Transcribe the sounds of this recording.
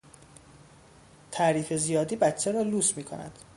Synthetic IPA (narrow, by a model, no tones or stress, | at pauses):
t̪ʰæːɾiːfe̞zijɒːd̪iːbæt̪t͡ʃʰːeɾɒːluːsmiːkʰo̰næ̰d̪̥